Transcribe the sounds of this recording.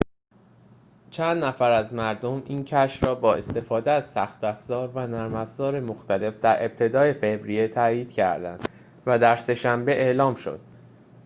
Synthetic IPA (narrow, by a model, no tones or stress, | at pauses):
t͡ʃʰænd̪næfæɾæzmæɾd̪o̞mʔiːncʰæʃɾɒːbɒːe̞st̪e̞fɒːd̪eæz̥sæxt̪æfz̥ɒːɾvænæɾmæfz̥ɒːɾe̞moxt̪ʰæle̞fd̪æɾe̞b̚t̪ʰe̞d̪ɒːe̞fe̞bɾije̞t̪ʰæjiːd̪̥cʰæ̰ɾd̪æ̰nd̪̥ | væd̪æɾse̞ʃæmbe̞ʔe̞ʔlɒːmʃo̞̰d̪̥